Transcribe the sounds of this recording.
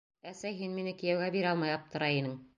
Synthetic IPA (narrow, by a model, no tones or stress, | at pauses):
æsæjɦinminɘkĭjæwɡæbiɾɑlˠmɑjɑp̚t̪ʰɤ̆ɾɑinɘŋ